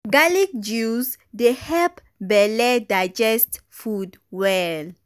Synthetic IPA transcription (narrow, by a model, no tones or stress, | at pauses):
ɡalik̚d͡ʒus | dehɛp | bɛlɛdajd͡ʒɛst | fud | wɛl